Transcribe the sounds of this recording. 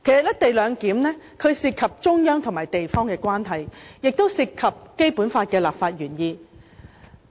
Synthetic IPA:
kʰe˨˩jsɐ˨t̚jɐ˥t̚t̪e˨jlœː˨˧ŋkiː˨˥mnɛː˥ | kʰɵ˨˧ɥsiː˧t̚kʰɐ˨p̚t͡ʃʊ˥ŋjœː˥ŋt̪ʰʊ˨˩ŋmaː˨˩jt̪e˨jfɔː˥ŋkɛː˧kwaː˥nɦɐ˨jjɪ˨k̚t̪o˥wsiː˧t̚kʰːɐ˨p̚ke˥jpuː˨˥nfaː˧t̚kɛː˧laː˨p̚faː˧t̚jyː˨˩njiː˧

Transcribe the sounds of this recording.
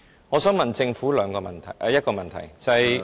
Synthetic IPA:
ŋɔː˨˧sœː˨˥ŋmɐ˨nt͡sɪ˧ŋfuː˨˥lœː˨˧ŋkɔː˧mɐ̰˨nt̪ʰɐ˨˩jʔjɐ˥t̚kɔː˧mɐ˨nt̪ʰɐ̰˨˩jt͡sɐ˨ɐ˨jj

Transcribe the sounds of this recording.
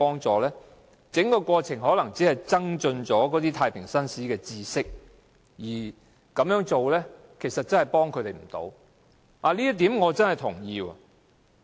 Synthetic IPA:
ɔː˥ŋt͡sɔː˨˩lɛː˥ | t͡sɪ˨˥ŋkɔː˧kʷwɔː˧t͡sʰɪ˨˩ŋɦɔː˨˥lɐ˨˩ŋt͡siː˨˥hɐ˨jt͡sɐ˥ŋt͡ʃɵ˧nt͡ʃɔː˨˥kɔː˨˥t̪̬iː˥t̪ʰaː˧jpʰɪ˨˩ŋsɐ˥nsiː˨˥kɛː˧t͡siː˧sɪ˥k̚ | jiː˨˩ | kɐ˨˥mjœː˨˥ŋt͡so˨wlɛː˥kʰe˨˩jsɐ˨t̚t͡sɐ˥nhɐ˨jpɔː˥ŋkʰɵ˨˧t̪e˨˩m̩˨˩t̪o̰˨˥w | ʔaː˨˧liː˥jɐ˥t̪iː˨˥mŋɔː˨˧t͡sɐ˥nhɐ˨˩jt̪ʰʊ˨˩ŋjiː˧wɐ̰˨

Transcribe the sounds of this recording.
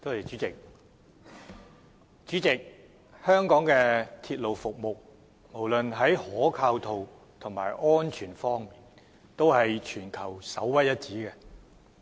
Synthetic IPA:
t̪o˥whɐ˨jt͡ʃyː˨˥t͡sɪ˨k̚ | t͡ʃyː˨˥t͡sɪ˨k̚ | hœː˥ŋkɔː˨˥ŋkɛː˧t̪ʰiː˧t̚lo˨˩wfʊ˨k̚mo˨k̚ | mo˨˩wlɵ˨nɦɐ˨˥jhɔː˨˥kʰaː˧wt̪ʰo˨w | t̪ʰʊ˨˩ŋmaː˨˩jʔɔː˥nt͡ʃʰyː˨˩nfɔː˥ŋmiː˨˩n | t̪o˥whɐ˨jt͡ʃʰyː˨˩nkʰɐ˨˩wsɐ̰˨˥wːɐ˥jɐ˥t̚t͡siː˨˥kɛ˧

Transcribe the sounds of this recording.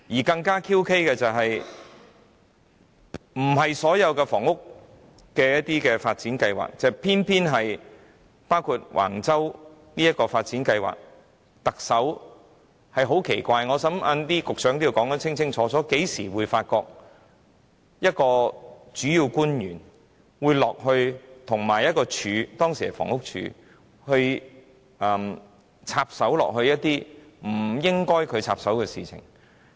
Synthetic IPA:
jiː˨˩kɐ˧ŋkaː˥kʰiː˥wkʰe˥jkɛː˧t͡sɐ˨wɦɐ˨j | m̩˨˩ɦɐ˨jsɔː˨˥jɐ˨˧wkɛː˧fɔ̰ː˨˩ŋʊ˥k̚ | kɛː˧jɐ˥t̚t̪iː˥kɛː˧faː˧t̚t͡siː˨˥nkɐ˧jwa̰ː˨˩k̚t͡sɛ˨˧pʰiː˥npʰiː˥nɦɐ˨j | paː˥wkʰu˧t̚wʔa̰ː˨˩ŋt͡sɐ˥w | niː˥jɐ˥t̚kːɔː˧faː˧t̚t͡siː˨˥nkɐ˧jwa̰ː˨k̚ | t̪ɐ˨k̚sɐ˨˥w | hɐ˨jɦo˨˥wkʰe˨˩jkʷaː˧jŋɔː˨˧sɐ˨˥mʔɐ˧nt̪iː˥kʊ˨k̚sœː˨˥ŋt̪i˥˧wkɔː˨˥ŋɐ˦˥t͡sʰɪ˥ŋt͡sʰɪ˥ŋt͡sʰɔː˨˥t͡sɔː˨˥ke˨˥jsiː˨˩wuː˨˧jfaː˧t̚kɔː˧k̚ | jɐ˥t̚kɔː˧t͡ʃyː˨˥jiː˧wkuː˥njyː˨˩n | wuː˨˧jlɔː˨k̚hɵ˧ɥt̪ʰʊ˨˩ŋmaː˨˩jɐ˥t̚kɔː˧t͡ʃʰyː˨˧˥t̪ɔː˥ŋsiː˨˩hɐ˨˩jfɔ̰ː˨˩ŋhʊ˥k̚t͡ʃʰy̰ː˨˧ | hɵ˧ɥ | ʔɐ˨m | t͡sʰaː˧p̚sɐ˨˥wlɔ̰ː˨k̚ɦɵ˧ɥjɐ˥t̚t̪iː˥m̩˨˩jɪ˥ŋkɔː˥jkʰɵ˨˧ɥt͡sʰa̰ː˧p̚sɐ˨˥wkɛː˧sḭː˨˩t͡sʰɪ̰˨˩ŋ

